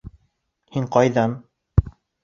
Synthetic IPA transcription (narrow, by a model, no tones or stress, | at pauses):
hiŋqɑjðɑn